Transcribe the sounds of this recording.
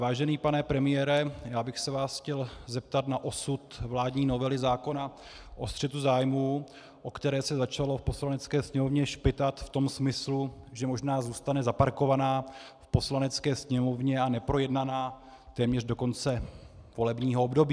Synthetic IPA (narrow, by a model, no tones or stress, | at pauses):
vaːʒɛniːpanɛpɾɛmɪjɛːɾɛjaːbɪxsɛvaːsxcɛlzɛp̚t̪at̪naʔo̞sut̪vlaːdɲiːno̞vɛlɪzaːko̞na | ʔo̞st̪r̥ɛt̪uzaːjmuː | ʔo̞kt̪ɛɾɛːsɛzat͡ʃalo̞fpo̞slanɛt͡skɛːsɲɛmo̞vɲɛʃpɪt̪at̪ft̪o̞msmɪsluʒɛmo̞ʒnaːzuːst̪anɛzapaɾko̞vanaː | fpo̞slanɛt͡skɛːsɲɛmo̞vɲɛanɛpɾo̞jɛdnanaː | t̪ɛːmɲɛr̝do̞ko̞nt͡sɛvo̞lɛbɲiːɦoobdo̞biː